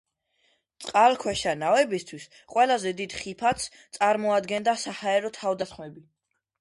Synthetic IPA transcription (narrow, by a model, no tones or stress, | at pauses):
t̪sʼqʼalˠkʰwɛʃanavɛbist̪ʰwis | qʼwɛlazɛd̪id̪χipʰat̪s | t̪sʼaɾmɔad̪ɡɛnd̪asahaɛɾɔt̪ʰavd̪asχmɛbi